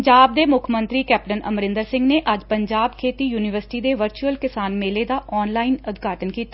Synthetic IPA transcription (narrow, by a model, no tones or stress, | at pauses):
d͡ʒaːb̚d̪eːmʊkʰmə̃nt̪ɾiːkɛːp̚ʈənʔə̰mɾɪ̃nd̪əɾsɪ̃ŋɡneːʔəd͡ʒpəɲd͡ʒaːbkʰeːt̪iːjuːnɪʋəɾsɪ̥ʈiːd̪eːʋəɾt͡ʃuəlkɪsaːnmeːleːd̪aːʔɔːnlaːinʊd̪ɡʱaːʈənkiːt̪a